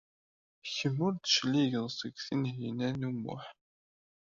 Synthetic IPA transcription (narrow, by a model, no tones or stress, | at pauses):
çəmːʊɾt̪ːə̥ʃliʝənsəɡθinɦinænumːʊ̰ħ